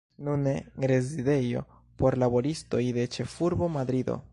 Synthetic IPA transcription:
nuneɾe̞zide̞jo̞̰ | po̞ɾlabo̞ɾisto̞jde̞t͡ʃe̞fuɾbo̞mad̪ɾid̪o̞̰

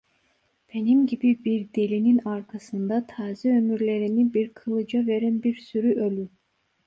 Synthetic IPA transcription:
b̥e̞nimɟibibiɾd̪elʲininaɾkʰasɯnd̪at̪ʰaːziø̞myɾlʲe̞ɾinibiɾkʰɯlˠɯd͡ʒave̞ɾænbiɾsyɾyʔølʲy

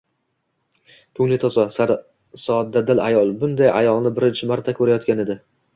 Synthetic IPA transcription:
kʰʊŋlɪt̪ʰɒzɒ | sɒt̪̚d̪ad̪ɪlajɒlˠbʊnd̪ajʔa̰jɒlˠnɪbɪɾɪnt͡ʃʰɪmaɾt̪ʰakʰɵɾajɒt̪kʲane̞d̪ɪ

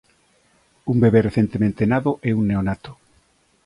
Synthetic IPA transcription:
umbeβereθent̪emẽnt̪enaðoʔɛunneonat̪o̥

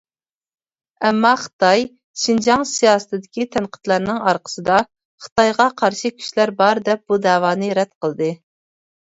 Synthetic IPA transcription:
ɛmːɑχə̥t̪ɑj | ʃind͡ʒɑŋsijɑːsɨ̥t̪ʰɨd̪ɪkʲit̪ʰɛnqʰə̥t̪lˠɑɾnɨŋɑɾqʰə̥sɨd̪ɑ | χə̥t̪ɑjʁɑqʰɑɾʃikʲʰy̥ʃlæɾbɑɾd̪ɛp̚b̥ud̪ɛːwɑːnɨɾɛt̪qʰəlˠd̪ɨ

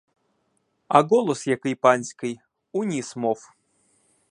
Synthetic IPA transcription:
a̰ɡolˠosjakɨjpanʲsʲkɨj | unʲismof

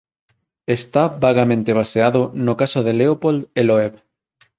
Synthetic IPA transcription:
est̪abaɣamẽnt̪eβaseaðonokasoðeleopold̪eloeβ

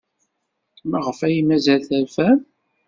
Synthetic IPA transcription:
mæʁəfæjimæzælθæɾfæm

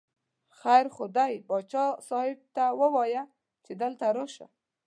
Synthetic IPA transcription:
xajɾxʊd̪ajbɑt͡ʃɑsɑhɪb̚t̪awəwɑja | t͡ʃed̪əlt̪aɾoʃa̰

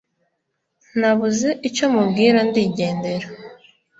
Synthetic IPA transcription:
naβuze̞ʔico̞mubɡiːɾandiːɟe̞ːnde̞ɾa

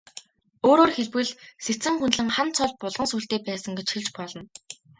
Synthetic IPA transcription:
oːɾoːrxeɮpɘ̆ɮset͡sɘ̆ŋxunɮɘ̆ŋχant͡sʰɔɮpʊɮʁə̆nsuːɬt̪eːpæːsə̆ŋɡet͡ɕxiɮt͡ɕpɔɮɞ̆n

